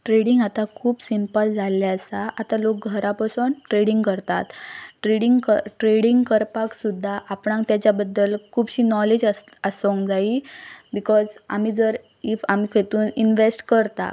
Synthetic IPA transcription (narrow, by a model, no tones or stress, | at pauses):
ʈɾeɽiŋɡat̪akʰuːbsimpəld͡zʱaljaəsaʔat̪alok̚ɡʱəɾapasuːnʈɾeɽiŋɡkəɾt̪a̰t̪ʈɾeɽiŋɡkəʈɾeɽiŋɡkəɾpaksud̪ʱːaʔapɳãŋkt̪jat͡ɕjabəd̪ːəlkʰuːbɕiːnɔled͡ʑəəsəŋkd͡zaibikɔd͡za̰m̤iːd͡zəɾ | ifamiːkʰet̪uːninʋesʈkəɾt̪a̰